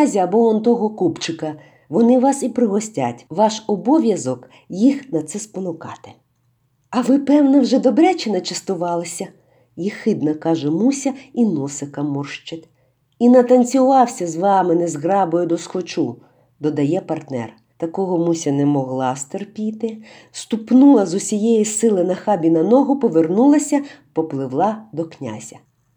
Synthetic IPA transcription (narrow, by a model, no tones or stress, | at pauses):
zʲiɐbɔɔnt̪ɔɦɔkupt͡ʃɪkɐ | ʋɔnɪʋɑsipɾɪɦɔsʲtʲa̰tʲʋɑʃɔbɔʋʲjɐzɔk | jixnɐt̪sɛspɔnʊkɑ̰t̪ɪ̥ | ɐʋɪpɛwnɐwʒɛd̪ɔbɾʲɛt͡ʃɪnɐt͡ʃɪst̪ʊʋɑlˠɐsʲɐ | jixɪd̪nɐkɑʒɛmusʲɐinɔsɪkɐmɔrʃt͡ʃɪt̪ʲ | inɐt̪ɐnʲt͡sʲʊʋɑwsʲɐzʋɑmɪnɛzɣɾɑbɔjʊd̪ɔskɔt͡ʃu | d̪ɔd̪ɐjɛpɐrt̪nɛ̰r | t̪ɐkɔɦɔmusʲɐnɛmɔɦlˠɑst̪erpʲit̪ɪ | st̪upnulˠɐzʊsʲijɛjisɪlˠɪnɐxɑbʲinɐnɔɦʊpɔʋernulˠɐsʲɐpɔplˠɪwlˠɑd̪ɔknʲa̰zʲɐ̰